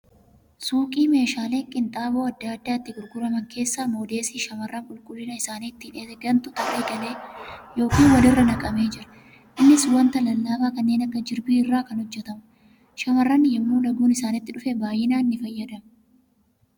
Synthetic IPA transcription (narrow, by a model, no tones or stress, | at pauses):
suːkʼiːme̞ːʃaːle̞ːŋkʼɪnt̪ʼaːbo̞ːɐd̪ːaːd̪ːaːɪt̪ːɪɡʊɾɡʊɾɐmɐŋkʰe̞ːsːaːmo̞ːd̪e̞ːsiːʃɐmɐrːɐŋkʼʊlkʼʊlːɪnɐɪsaːniːt̪ːineːt̪ɛɡɐnt̪ʊt̪ɐreːkʼɐleːjo̞ːkiːnwɐlɪrːɐnɐkʼɐme̞ːd͡ʒɪɾɐ̥ | ʔɪnːɪswɐnt̪ɐlɐlːaːbaːkɐnːe̞ːnɐkːɐd͡ʒɪɾbiːɪrːaːkɐnhɔd͡ʒːɛt̪ɐmɐ | ʃɐmɐrːɐnːɪjɛmːuːlɐɡuːnɪsaːnɪt̪ːɪᶑʊfɛbaːjːɪnaːɪnːɪfɐjːɐd̪ɐm